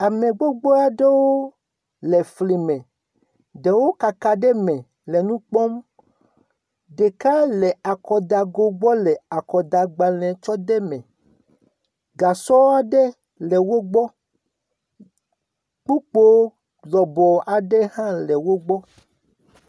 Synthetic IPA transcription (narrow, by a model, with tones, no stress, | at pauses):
a˨mẽ˨ɡ͡bo˦ɡ͡bɔ˦a˨ɖe˦wo˦ | lɛ˨fli˨mɛ̃˨ | ɖe˨wo˦ka˨ka˨ɖɛ˦mɛ̃˨ | lɛ˨nũ˦k͡pɔ˦m | ɖe˨ka˦lɛ˨a˨kɔ˨d̪a˨ɡo˦ɡ͡bɔ˦lɛ˨a˨kɔ˨d̪a˨ɡ͡ba˨lɛ̃˨t͡ʃɔ˦d̪e˦mɛ̃˨ | ɡa˨sɔ˦wa˦ɖɛ˦ | lɛ˨wo˦ɡ͡bɔ˦ | k͡pu˦k͡po˦ | lɔ˨bɔ˨a˨ɖe˦hã˦lɛ˨wo˦ɡ͡bɔ˦